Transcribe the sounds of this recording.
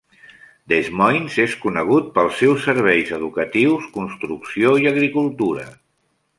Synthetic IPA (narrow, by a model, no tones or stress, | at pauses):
d̪ezmɔjnzeskunəɣ̞ut̪̚pəlˠsːɛwsːəɾβ̞ɛjzəðukət̪iwskunst̪ɾuksioiəɣɾikulˠt̪uɾə̰